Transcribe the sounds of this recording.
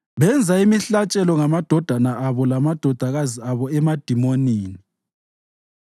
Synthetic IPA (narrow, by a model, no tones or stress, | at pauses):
βɛnd͡zʱaimiɬat͡ʃʼɛlɔŋamad̥ʱɔd̥ʱanaʔaβɔlamad̥ʱɔd̥ʱaɣaziaβɔɛmad̥ʱimoniːni